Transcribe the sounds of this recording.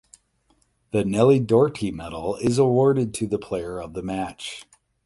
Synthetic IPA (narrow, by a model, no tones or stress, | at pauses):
ðɨnɛlˠidɔɹɾʰimɛɾl̩ˠɪzəwɔɹɾɨd̚tʰɨðəpʰl̥eɪə˞ʌvðəmæt͡ʃ